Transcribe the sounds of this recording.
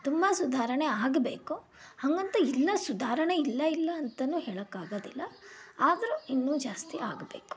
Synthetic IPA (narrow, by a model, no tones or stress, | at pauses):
t̪umbɐsud̪ʱaːɾɐɳeaːɡbḛːku | hɐŋɡɐnt̪ɐilːɐsud̪ʱaːɾɐɳeilːɐilːɐːnt̪ɐnːuːɦeːɭɐkːaːɡoːd̪ilːɐaːd̪ɐɾuinːuːd͡ʒaːst̪iaːɡbe̞ːku̥